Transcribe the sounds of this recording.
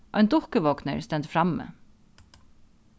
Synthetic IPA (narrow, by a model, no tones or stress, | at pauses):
ʔɔjnd̪ʊhkəʋɔknə̰ɹst̪ɛnt̪fɾamːə̰